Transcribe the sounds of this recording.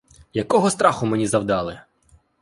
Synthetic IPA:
jɐkɔɦɔst̪ɾɑxʊmenʲizɐwd̪ɑlˠɪ

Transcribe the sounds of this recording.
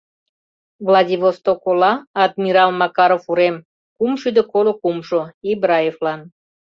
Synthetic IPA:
vlɑdʲivost̪okolɑːd̪mʲiɾɑlmɑkɑɾofuɾem | kumʃyd̪əkolokumʃoibɾɑjeflɑn

